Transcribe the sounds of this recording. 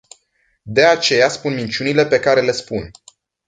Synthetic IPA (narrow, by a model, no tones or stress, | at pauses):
d̪e̞at͡ʃe̞jaspunmint͡ʃunile̞pe̞kaɾe̞le̞spun